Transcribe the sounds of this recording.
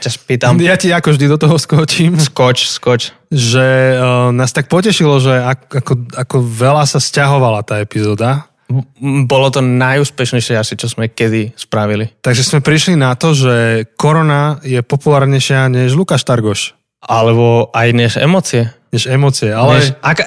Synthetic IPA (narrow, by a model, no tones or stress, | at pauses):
jcaspiːt̪amjaciakɔvʒd̪id̪ɔt̪ɔɦɔskɔt͡ʃimskɔt͡ʃskɔt͡ʃ | ʒɛnaːst̪ak̚pɔcɛʃilɔʒɛakakɔakɔʋɛlasascaɦɔʋalat̪aːɛpizɔːd̪a | bɔlɔt̪ɔnajuːspɛʃɲɛjʃɪɛasit͡ʃɔzmɛkɛd̪ispɾaʋilit̪aɡʒɛsmɛpɾiʃlinat̪ɔʒɛkɔɾɔnajɛpɔpulaːɾɲɛjʃɪaɲɛʒlukaʃt̪aɾɡɔʃ | alɛbɔajɲɛʒɛ̰mɔt͡siɛɲɛʒɛmɔt͡siɛalɛaka